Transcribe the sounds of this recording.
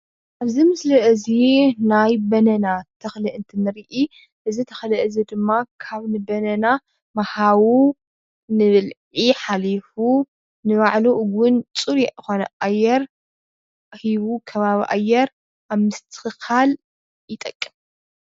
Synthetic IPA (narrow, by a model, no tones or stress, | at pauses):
ʔaβzimɨslɐʔzinajbɐnɐnat̪ʰɐxlɨʔɨnt̪ʰinɨɾʔi | ʔɨzit̪ʰɐ̥xlɐʔɨzid̪ɨmːakʰaβnɨbɐnɐna | mɐhawu | nɨβɨlʕiħalifu | nɨβaʕluɡʊnt͡sʼuɾiɨxonɐʔajːɛɾ | ʔhiβukʰɐβaβiʔa̰jɛɾ | aβmɨst̪ʰɨ̥xɨxal | jɪt̪ʼɐkʼːɨm